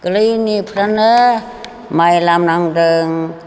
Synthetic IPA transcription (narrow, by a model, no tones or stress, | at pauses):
ɡ̥ɯlɯjnipʰɾanɯ | majlamnaŋdɯŋ